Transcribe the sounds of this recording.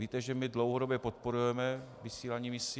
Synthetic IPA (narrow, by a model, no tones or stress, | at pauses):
iːt̪ɛʒɛmɪdlowɦodobjɛpot̪̚poɾujɛmɛ | vɪsiːlaɲiːmɪsi